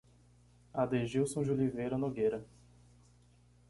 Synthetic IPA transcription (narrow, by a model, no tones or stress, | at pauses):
ad̪eʒiwsõʒulivejɾɐnoɡejɾɐ